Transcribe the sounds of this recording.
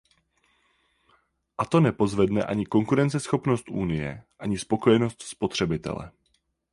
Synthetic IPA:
ʔat̪o̞nɛpo̞zvɛdnɛʔaɲɪko̞ŋkuɾɛnt͡sɛsxo̞pno̞st̪ʔuːnɪjɛ̰ʔaɲɪspo̞ko̞jɛno̞st̪spo̞t̪r̝̥ɛbɪt̪ɛ̰lɛ̰

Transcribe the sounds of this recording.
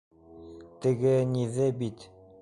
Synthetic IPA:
t̪ɘ̆ɡɘniðɘbit̪

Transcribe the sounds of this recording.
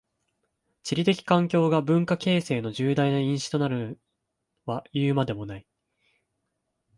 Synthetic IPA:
t͡ɕiɾʲit̪e̞kʲi̥kãŋkʲo̞ːɡabɯ̟̃ŋkake̞ːse̞ːno̞ʑɨːd̪ainaĩɰ̃ɕi̥t̪o̞naɾɯ̟ | βajɯːmad̪e̞mo̞nai

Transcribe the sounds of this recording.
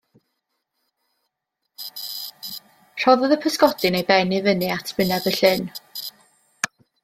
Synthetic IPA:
r̥ɔðɔðəpʰəskɔdɨnejbɛnɪvənɨatʰmɪnabəɬɪn

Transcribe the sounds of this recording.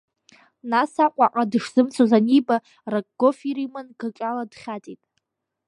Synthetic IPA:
nasaqʷʼaqʼadɨʂz̥ɨmt͡sʰozaniba | rakʼɡ̥ofiɾimanɡakʲʼaladχʲatʼitʼ

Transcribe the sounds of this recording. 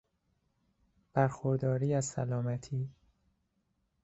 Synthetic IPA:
b̥æɾxoɾd̪ɒːɾiːæzsæ̰lɒːmæt̪ʰiː

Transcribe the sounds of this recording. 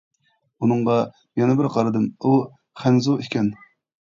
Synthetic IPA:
unɨɴʁɑ | jɛnɪbɪɾqʰɑɾɨd̪ɨmu | χænzuikʲɛn

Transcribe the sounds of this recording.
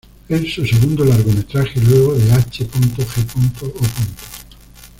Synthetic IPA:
elsuseɣund̪olaɾɣomet̪ɾaxelweɣ̞oðeat͡ʃepunt̪oxepunt̪oopunt̪o̥

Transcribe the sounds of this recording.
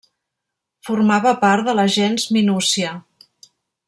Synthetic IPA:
furmaβəpaɾt̪d̪ələʒɛnzminusiə

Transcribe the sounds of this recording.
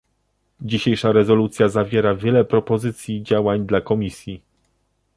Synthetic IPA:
d͡ʑiɕejʂaɾɛzɔlut̪sʲjazavʲjɛɾavʲjɛlɛpɾɔpɔzɘt̪sʲjid͡ʑawaɲd̪lakɔmʲisʲji

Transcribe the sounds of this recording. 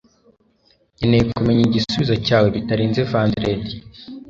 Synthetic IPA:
ɲene̞jekume̞ɲiɟisuβizocaːwe̞βitaɾiːnzevandɾedi

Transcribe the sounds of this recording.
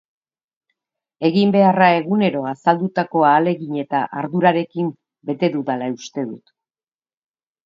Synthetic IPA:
e̞ɣimbe̞arae̞ɣune̞ɾo̞asald̪ut̪ako̞aːle̞ɣiɲe̞t̪aʔaɾðuɾaɾe̞kim | be̞t̪e̞ðuðalaust̪e̞ðut̪

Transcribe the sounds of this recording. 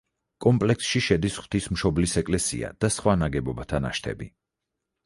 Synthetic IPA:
kʼɔmpʼlɛksʃiʃɛd̪isχw̥t̪ʰismʃɔblisɛkʼlɛsḭa̰d̪̥asχwanaɡɛbɔbat̪ʰana̰ʃt̪ʰɛ̰bḭ

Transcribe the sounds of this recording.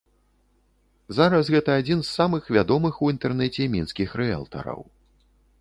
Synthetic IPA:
zaɾɐsɣɛt̪ɐːd͡zʲinsːamɨxvʲad̪ɔmɨxuint̪ɛrnɛt͡sʲɛmʲinskʲixɾɛa̰lˠt̪ɐ̰ɾɐ̰w

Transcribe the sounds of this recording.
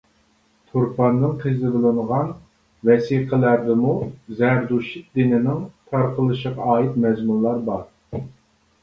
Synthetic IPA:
t̪ʰoɾpʰɑnːɨŋqʰɨzɨbɨlˠɨɴʁɑn | vɛsiqʰəlæɾd̪ɪmuzæɾd̪uʃit̪̚d̪ɪnɪnɪŋt̪ʰɑɾqʰəlˠɨʃəʁɑɑːit̪mɛzmunˠlːˠɑɾbɑɾ

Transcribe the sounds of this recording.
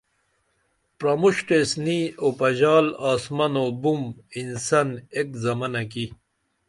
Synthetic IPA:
pɾɐmuɕʈesniopɐʑaːlaːsmɐnobuminsɐnekzɐmɐnɐk̬i

